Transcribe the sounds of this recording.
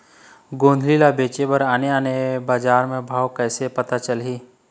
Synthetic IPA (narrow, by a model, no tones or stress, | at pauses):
ɡõːnd̪ʱlilabeːt͡ʃebəɾaːneaːnebaːd͡ʒaːɾmẽbʱaːwkɛːsepət̪at͡ʃəlɦiː